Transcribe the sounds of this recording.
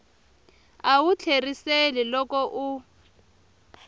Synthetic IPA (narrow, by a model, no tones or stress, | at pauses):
awut͡ɬʰeriselilɔkɔʔu